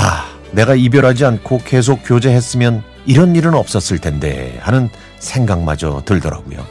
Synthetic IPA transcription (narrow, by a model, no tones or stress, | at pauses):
a | ne̞ɡaibjʌɾɦad͡ʑiankʰoke̞s̬ʰok̚k͈jod͡ʑe̞ɦe̞s͈ɯmjʌn | iɾʌniɾɯnʌp̚s͈ʌs͈ɯɭtʰe̞nde̞̰hanɯn | sʰe̞ŋɡaŋma̰d͡ʑʌ̰tɯɭdʌɾa̰ɡujo̰